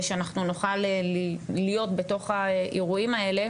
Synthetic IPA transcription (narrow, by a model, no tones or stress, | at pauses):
ʃeanaχnunoχal | lijo̞tbeto̞χaʔiʁuimae̞le̞